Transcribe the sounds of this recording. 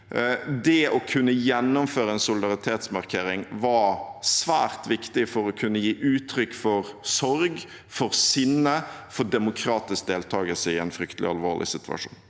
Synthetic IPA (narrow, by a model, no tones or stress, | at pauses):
d̪ɛɔkʰʉnːəjɛnːʊmføːɾəɛnsʊlɪd̪ɑɾɪt̪ʰeːt̪smɑɾkʰeːɾɪŋʋɑsʋæ̰ːɾt̪ʰʋɪkt̪ɪfɔɾɔkʰʉnːəjiːʔʉːt̪ʰɾʏkːfɔɾsɔɾɡ | fɔɾsʏnəfɔd̪ɛmʊkʰɾɑːt̪ɪsk̚d̪eːlt̪ʰɑːɡəlsəɪɛnfɾʏkt̪əlɪ̰ɑ̰lʋoːlʔɪ̰sɪt̪ʰʉɑ̰ʂṵːn